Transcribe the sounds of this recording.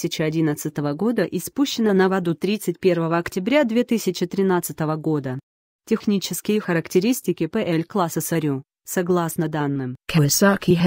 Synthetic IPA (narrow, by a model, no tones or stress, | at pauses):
sʲɪt͡ɕɪɐdʲinət̪sɨt̪əvəɡo̞d̪əʔɪspuɕːɪnənəvɐd̪ut̪ɾʲit̪sɨtʲpʲe̞rvəvəɐktʲɪbɾʲad̪vʲe̞t̪ɨsʲɪt͡ɕɪt̪ɾʲɪnat̪sɨt̪əvəɡo̞d̪ə | tʲɪxnʲit͡ɕɪskʲɪjəxəɾəktʲɪɾʲisʲtʲɪkʲɪpəʔɛlʲklˠasəsɐɾʲu | sɐɡlˠasnəd̪anːɨmkʰɐɛsakʲʰiɦ